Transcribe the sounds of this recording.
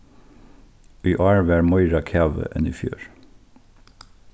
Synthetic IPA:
yːʔɑːɹʋæːɹmɔʏɹɑkʰæːʋə̰ʔɛniːfjø̰ːɹ

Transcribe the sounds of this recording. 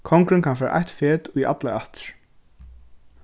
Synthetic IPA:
kʰɔŋkɾɪnkʰanfɛːɾa̰ʔa̰jht̪feːt̪ujʔa̰t̪laaht̪ɪ̥ɹ̥

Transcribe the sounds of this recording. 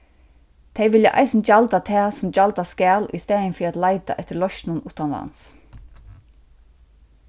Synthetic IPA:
t̪ʰejʋɪljaʔa̰jsɪnt͡ʃalt̪at̪ʰɛːsʊmt͡ʃalt̪askɛːlʊ̰jst̪ɛːjɪnfiːɾat̪lajt̪a̰ʔɛht̪ɪɾlɔʃnʊnuːt̪anla̰ns

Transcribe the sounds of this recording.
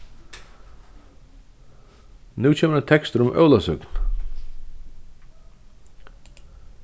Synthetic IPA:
nʉːt͡ɕʰɛːməɾat̪ʰɛkst̪əɾʊmʔœ̰wlasʏkn̥

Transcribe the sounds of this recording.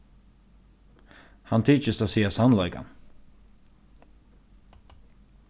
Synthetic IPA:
hant̪ʰiːt͡ʃəst̪asiːasanlaɪka̰n

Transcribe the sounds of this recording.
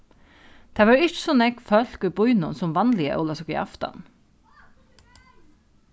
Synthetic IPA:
t̪ʰæːʋɑːɹʏtsɔnɛɡfœlkəbʊʏnɔnsɔmʋɑnlɪə̰ʔo̰lɑsɔkḭɑ̰ft̪ɑ̰n

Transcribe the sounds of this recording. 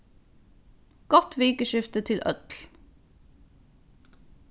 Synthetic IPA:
ɡ̥ɔt̪ʋiːkəʃɪft̪ət̪ʰɪlʔœ̰t̪l

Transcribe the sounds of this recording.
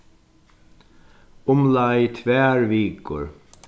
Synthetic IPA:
ʊmlajt̪ʰvɛːɹviːkʊ̰ɹ

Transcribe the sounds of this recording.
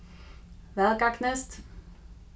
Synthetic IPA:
vɛlkaknɛst̪

